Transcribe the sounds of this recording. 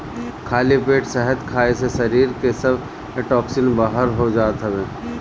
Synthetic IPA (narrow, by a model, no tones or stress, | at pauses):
kʰaːlipeːʈsɛɦət̪kʰaːesesɐɾiːɾkesɐb | eʈɔːksɪnbaːɦəɾɦod͡ʒaːt̪ɦɛʋeː